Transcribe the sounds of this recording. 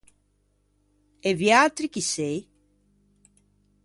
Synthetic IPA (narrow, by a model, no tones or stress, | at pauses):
eβjat̪ɾikisej